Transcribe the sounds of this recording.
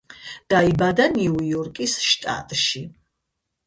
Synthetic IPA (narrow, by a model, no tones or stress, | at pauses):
d̥aibad̪anuwjɔrkʼisʃtʼa̰t̪ʼʃi